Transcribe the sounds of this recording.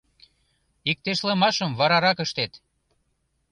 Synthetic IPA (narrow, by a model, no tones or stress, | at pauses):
ik̚t̪eʃlə̆mɑʃəmvɑɾɑɾɑkəʃt̪et̪